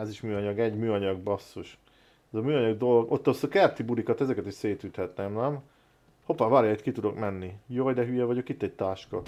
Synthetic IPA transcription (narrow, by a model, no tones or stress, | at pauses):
aːziʃmyːɒɲɒɡɛɟmyːɒɲɒɡ̚bɒsːoʃ | ɛzɒmyːɒɲɒɡd̪o̞loɡo̞t̪ːɒsokɛrt̪ibuɾikɒt̪ɛzɛkɛt̪iʃseːt̪yt̪hɛt̪nɛmnɛm | ho̞pavaːɾjɒit̪kit̪ud̪o̞kmɛnːijojd̪ɛɦyjɛvɒɟo̞kit̪ːɛɟ̚t̪aːʃkɒ̰